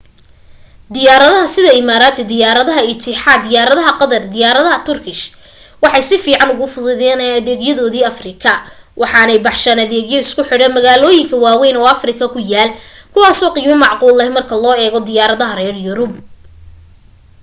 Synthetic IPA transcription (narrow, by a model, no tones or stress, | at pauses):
d̪ɪjaːɾɐðɐɦɐsɪðɐɪmaːɾaːt̪ʰɛd̪ɪjaːɾɐðɐɦɐɪt̪ʰɪħaːd̪ɪjaːɾɐðɐɦɐqɑðɐrd̪ɪjaːɾɐðɐɦɐt̪ʰʊrkʰɪʃ | wɑħɑjsɪfiːʕɑnʊɣʊfʊðʊðɛːnɐðɛːɡjɐðɔːðiːɐfrɪkʰɐ | wʔɑħɑnɛjbɑħʃaːnɐðɛːɣjɔɪskʰʊħɪɽɛnmɐɣaːlɔːjɪŋkʰɐwaːwɛjnɔːɐfrɪkʰɐkʰʊjaːlkʰʊwaːsɔːqiːmɐmɑʕquːlːɐmɐrkʰɐlɔːɛːɣɔd̪ɪjaːɾɐðɐɦɐrɛːrjʊɾʊb̚